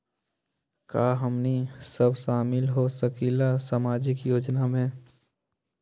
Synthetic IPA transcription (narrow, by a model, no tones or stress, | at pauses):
kaːɦəmnisəbʃaːmɪlɦosəkilasamaːd͡ʒɪkjoːd͡ʒnamẽ